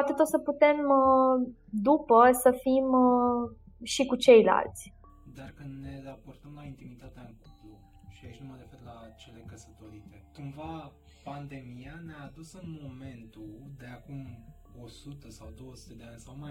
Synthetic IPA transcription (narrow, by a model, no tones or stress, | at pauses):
pat̪et̪ot̪səput̪e̞m | d̪upəsəfim | ʃikut͡ʃe̞jla̰lt̪sʲ | d̪arkɨnd̪ne̞raport̪əmlaint̪imit̪at̪eaɨŋkuplu | ʃiait͡ʃnuməɾe̞fe̞rlat͡ʃe̞le̞kəsə̥t̪o̞ɾit̪e̞kumva | pand̪e̞mijaneaːd̪usɨnmo̞me̞nt̪ud̪eakum | osut̪əsawd̪o̞wəsu̥t̪e̞d̪eanʲsawmaj